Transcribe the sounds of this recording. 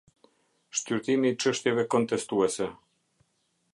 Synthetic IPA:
ʃt̪yɾt̪imiːt͡ʃəʃt̪jɛvɛkɔnt̪ɛst̪uɛsɛ

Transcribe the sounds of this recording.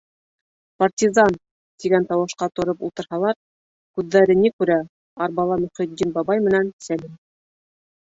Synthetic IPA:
part̪ʲizɑn | t̪iɡænt̪ɑwɤ̆ʃqɑt̪ŏɾɤpṵlˠt̪ɤ̆ɾhɑlˠɑɾ | kʉðːæɾɘnikʉɾæ | ɑɾbɑlˠɑmɵ̆χĭd̪ːinbɑbɑjmɘ̆nænsælim

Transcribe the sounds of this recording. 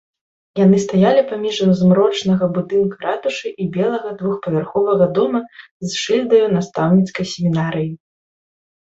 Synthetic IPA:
janɨst̪ajalʲipamʲiʐzmɾɔt͡ʂnɐɣɐbud̪ɨnkɐɾat̪uʂɨʔibʲɛlˠɐɣɐd̪vuxpɐvʲarxɔvɐɣɐd̪ɔmɐ | zʂɨlʲd̪ɐjunast̪awnʲit̪skɐjsʲemʲinaɾɨji

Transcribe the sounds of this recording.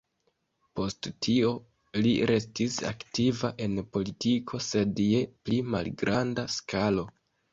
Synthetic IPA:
po̞sttʰio̞ | liɾe̞stisa̰ktivaʔe̞npo̞litikʰo̞se̞dje̞plima̰lɡɾʔandaskʰalo̞

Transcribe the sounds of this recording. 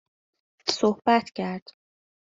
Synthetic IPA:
sohbæt̪ʰcʰæɾd̪̥

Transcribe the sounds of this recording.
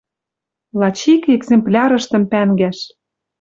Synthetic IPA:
lɑt͡ɕikeɡzemplʲɑɾɤ̆ʃt̪ə̆mpæŋɡæʃ

